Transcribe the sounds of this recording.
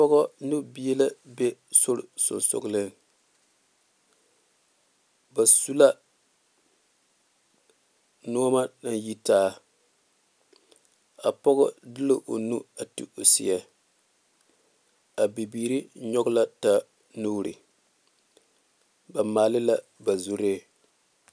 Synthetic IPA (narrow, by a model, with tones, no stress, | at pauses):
pɔ˦ɣɔ˦nu˦bi˦je˦la˦be˦so˦ɾɪ̰˨sʊ̰˨nso̰˨ɡlɪ˦n˨ | ba˨su˦la˦ | nɔ˦ma˦na˨nji˦taː˦ | a˨pɔ˦ɣʊ˦dɨ˦lɪ˦ʔo˨nu˦a˨tḭ˦o˨sḭ˦a˦ | a˨bi˨biː˨ɾi˦ɲɔ˦ɡʊ˦la˦ta˦ | nuː˦ɾɨ̰˨ | ba˨maː˨lɪ˦la˦ | ba˨zu˦ɾeː˦˨